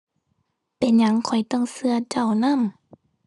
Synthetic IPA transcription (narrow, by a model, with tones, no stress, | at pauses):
pe˨˩nɲa˧˦ŋkʰɔ˨˩jt̪ɔ˧˥˩ŋsɯ˧ɐ˧t͡ɕa˧˩wna˧˥˨m